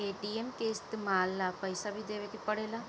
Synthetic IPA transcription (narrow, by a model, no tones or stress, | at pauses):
eːʈiemkeːst̪maːlːapəɪsabʱid̪eːʋekipəɽeːlaː